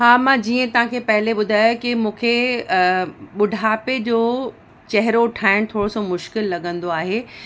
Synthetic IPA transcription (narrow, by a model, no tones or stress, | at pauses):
ɦaːmãd͡ʑiːə̃t̪ɐʋɦãkʰepɐɦɪleɓʊd̪ʱaːjokimũːkʰe | ɓʊɖʱaːped͡ʑoː | t͡ɕɛɦɪɾoʈʰaːɪɽ̃t̪ʰoːɽosomʊʃkɪlːɐɠə̃nd̪oaːɦeː